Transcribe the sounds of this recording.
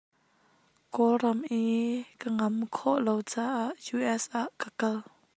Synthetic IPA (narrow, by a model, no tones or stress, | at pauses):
kɔrɐmʔikəŋɐmkʰɔʔlowt͡saːʔaʔjuʔɛsʔaʔkəkɐl